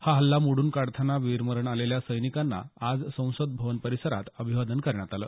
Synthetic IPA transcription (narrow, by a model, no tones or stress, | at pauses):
haɦəlːamoɽuːnkaɽt̪ʰənaʋiɾməɾəɳaleljasəjnikanːa̰ad͡zsə̃w̃səd̪̚bʱəʋənpəɾisəɾa̰t̪əbʱiʋad̪ənkəɾɳjat̪alə̰ː